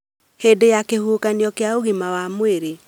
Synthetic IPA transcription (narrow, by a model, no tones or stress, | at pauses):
hedejakehuːkanjɔkeaoɣimawamweɾe